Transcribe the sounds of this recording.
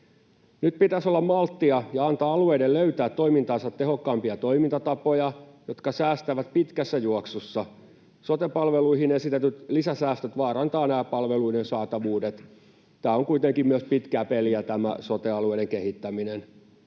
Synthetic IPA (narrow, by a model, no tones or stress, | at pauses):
nyt̪̚pit̪æsolːɑmmɑlt̪ːiɑjɑɑnt̪ɑːɑlueidelløyt̪æːt̪ːoimint̪ɑːnsɑt̪ːeɦokːɑːmpiɑt̪oimint̪ɑt̪ɑpojɑjot̪kɑsæːst̪æʋæt̪pit̪kæsːæjuoksosːɑ | sot̪epɑlʋeluihinesit̪et̪yt̪lisæsæːst̪øt̪ʋɑːrɑnt̪ɑːnæːpɑlʋeluidensɑːt̪ɑʋuːdet̪ | t̪æːoŋkuit̪eŋkimmyøspit̪kæːpeliæt̪æmæ̰sot̪eɑlueideŋkehit̪ːæminen